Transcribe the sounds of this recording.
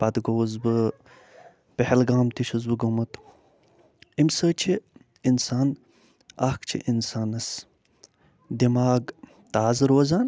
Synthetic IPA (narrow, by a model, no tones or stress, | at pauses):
pɐd̪ɡoːzbɨ | pehɐlɡaːmt̪iʃuzbɨɡomɐt̪ | imsəːt͡ʃʰi | insaːn | akt͡ʃʰḭʔinsaːnɐs | d̪imaːɡ | t̪aːzɾoːzaːn